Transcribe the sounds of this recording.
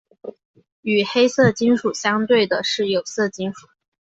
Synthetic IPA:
y˨˩xe˥ɪsɤ˥˩t͡ɕi˥nʂu˨˩ɕjɑ˥ŋt̪we˥˩ɪd̪ə˩ʂɻ̩˥˩jo˨˩ʊsɤ˥˩t͡ɕi˥nʂu˨˩˦

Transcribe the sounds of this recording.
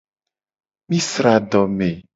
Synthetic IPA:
mĩ˦sɾa˨ɖɔ˨mẽ˨

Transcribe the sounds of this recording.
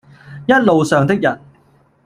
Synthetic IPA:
jɐ˥t̚lo˨wsœː˨ŋt̪ɪ˥k̚jɐ˨˩n

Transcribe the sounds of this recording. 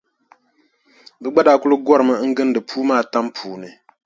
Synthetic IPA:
bɨ˦ɡ͡ba˦da˨˦kʊ˦lɨ˦ɡɔ˦ɾɨ˨mɨ˦ŋ̩˦ɡɨ˦n˦dɨ˨pʰuː˦maː˦˨ta˦mpʰuː˨nɨ˨

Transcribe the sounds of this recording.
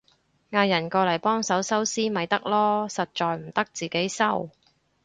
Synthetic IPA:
ŋaː˧jɐ˨˩nkɔː˧lɐ˨˩jpɔː˥ŋsɐ˨˥wsɐ˥wsiː˥mɐ˨jt̪ɐ˥k̚lɔː˥sɐ˨t̚t͡ʃɔː˨jm̩˨˩t̪ɐ˥k̚t͡siː˨˩ke˨˥jsɐ˥w

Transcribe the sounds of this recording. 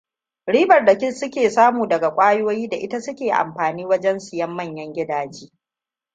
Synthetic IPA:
ɽiː˦bɐ˨rda˨kʲɪ˦sʊ˦kʲeː˨saː˦muː˨dɐ˨ɡa˨kʷʼaː˦joː˦jiː˦da˨ʔɪ˦ta˦sʊ˦kʲeː˨ʔa̰˨mɸaː˨niː˦wɐ˦d͡ʒɛ˦nsɪ˨jɐ˦mːɐ˦˨ɲjɐ˦ŋɡʲɪ˦daː˦d͡ʒiː˦

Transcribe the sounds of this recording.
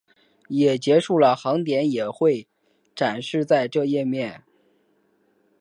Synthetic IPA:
jɛ˨˩t͡ɕjɛ˧˥ʂu˥˩lə˩xɑ˧˥ŋt̪jɛ˧˥njɛ˨˩xwe˥˩ɪ | ʈ͡ʂa˨˩nʂɻ̩˥˧t͡sa˥˧ɪʈ͡ʂɤ˥˧jɛ˥˧mjɛ˥˩n

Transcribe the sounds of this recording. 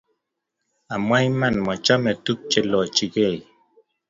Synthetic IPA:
a˨mwa˦jma˦˨nmɔ˨t͡ʃɔ˦mɛ˨tu˦k̚t͡ʃe˦lɔ˨t͡ʃi˨ɣe˦˨j

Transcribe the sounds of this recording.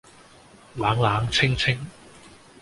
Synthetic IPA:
laː˨˧˥ŋlaː˨˥ŋt͡sʰɪ˥ŋt͡sʰɪ˥ŋ

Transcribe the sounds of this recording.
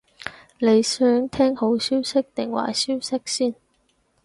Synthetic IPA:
ne˨˧jsœː˨˥ŋt̪ʰɛː˥ŋho˨˥wsiː˥wsɪ˥k̚t̪ɪ˨˩ŋwa̰ː˨˩jsiː˥wsɪ˥k̚siː˥˩n

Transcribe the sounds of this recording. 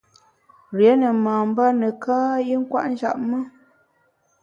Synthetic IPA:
ɾjɛ˨˦nə˨maː˨m˦ba˦nə˨kaː˦i˦ŋ̩˦kwa̰˦ʔn̩˦d͡ʒa̰˨ʔmə˦

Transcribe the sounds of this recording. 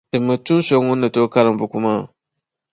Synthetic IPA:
tɨ˨mːɨ˨tu˦so˦ŋu˦nːɨ˨to˦ka˦ɾɨ˨m˨bu˨ku˦ma˦˨

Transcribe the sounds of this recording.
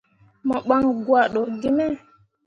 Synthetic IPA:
mɔ˨ɓa˦ŋɡwa˨ɗo˨ɡi˦mɛ˦˨

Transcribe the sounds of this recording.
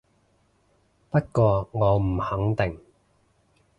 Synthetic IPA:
pɐ˥t̚kɔː˧ŋɔː˨˧m̩˨˩hɐ˨˥ŋt̪ɪ˨ŋ

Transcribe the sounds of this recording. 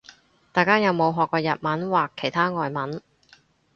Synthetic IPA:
t̪aː˨jkaː˥jɐ˨˧wmo˨˧wɦɔː˨kːɔː˧jɐ˨t̚mɐ˨˥nwaː˨kʰːe˨˩jt̪ʰaː˥ŋɔː˨jmɐ˨˥n

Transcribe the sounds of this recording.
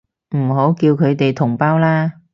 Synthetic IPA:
m̩˨˩ɦo˨˥˦wki˧wkʰə˨˧jt̪e˨˩jt̪ʰʊ˨˩ŋ͡mpaː˧wlaː˧

